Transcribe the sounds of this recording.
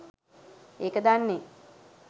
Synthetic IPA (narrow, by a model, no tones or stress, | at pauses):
eːkəd̪anːe